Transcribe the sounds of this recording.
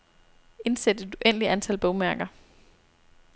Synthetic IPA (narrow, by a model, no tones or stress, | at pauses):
e̝nsed̥əd̥uʔen̰əliʔænt͡sʰælb̥ɔʊmæɐɡ̥ɐ